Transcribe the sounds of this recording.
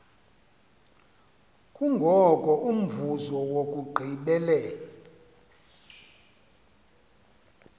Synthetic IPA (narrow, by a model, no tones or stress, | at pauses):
kʼuŋɡʱɔkʼɔʔum̩vuzɔwokʼuɡ͡ǃʱiɓɛlɛːlɔ